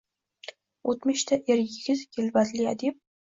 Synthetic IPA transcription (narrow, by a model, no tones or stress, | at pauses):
ot̪mɪʃt̪ʰaʔeɾjɪɡʲɪzkʲʰɪlvat̪lɪad̪ɪp̚